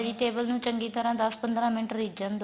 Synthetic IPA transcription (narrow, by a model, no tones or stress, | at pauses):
ɽiːt̪eːbəlnũːt͡ʃəŋɡiːt̪əɾãːd̪əspənd̪ɾãːmɪɳʈɾiːd͡ʒənd̪